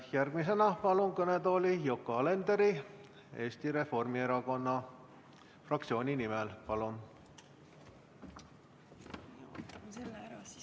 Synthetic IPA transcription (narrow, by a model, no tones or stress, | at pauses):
jærɡ̥mis̬e̞nɑpɑlunkɤned̪o̞ːlijo̞kːoɑle̞nd̪̥eɾi | e̞ːst̪iɾe̞fo̞rmie̞ɾɑko̞nːɑ | frɑk̚t̪sio̞ːnʲinimɛlpɑlun